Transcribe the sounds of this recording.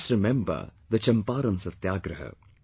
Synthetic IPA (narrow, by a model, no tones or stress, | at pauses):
sɾɪmɛmbɐ̰d̪ət͡ʃɐmpaːɾɐ̃nsɐt̪jaːɡɾɐɦə̰